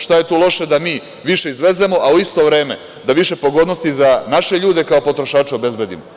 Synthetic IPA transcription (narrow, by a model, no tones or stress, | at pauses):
ʃt̪aje̞t̪uːlˠo̞ʃe̞d̪amiː | ʋiʃe̞izʋe̞zemo̞ʔauist̪o̞ʋɾe̞ːme̞ | d̪aʋiʃe̞po̞ɡo̞d̪nost̪izanaʃe̞ʎuːd̪e̞kaopo̞t̪ɾoʃaːt͡ʃeobe̞zbe̞d̪ḭmo